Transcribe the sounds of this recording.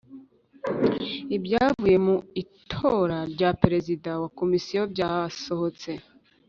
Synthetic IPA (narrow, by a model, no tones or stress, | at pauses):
ibɟaːvuje̞muitʰo̞ːɾaɾɟapeɾe̞zidawako̞misijobɟaaso̞ho̞t͡se̞